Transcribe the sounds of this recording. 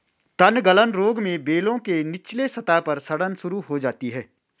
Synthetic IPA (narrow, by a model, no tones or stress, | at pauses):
t̪ɐnɡələnɾoːɡmẽbeːlõkenɪt͡ʃlesɐt̪apɐɾsɐɽənsʊɾuɦod͡ʒaːt̪iɦɛː